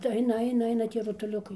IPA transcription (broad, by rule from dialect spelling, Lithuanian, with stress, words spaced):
tɐɪ ˈɐɪnɐ ɐɪnɐ ˈɐɪnɐ ˈtʲiɛ rʊtʊˈlʲʊkɐɪ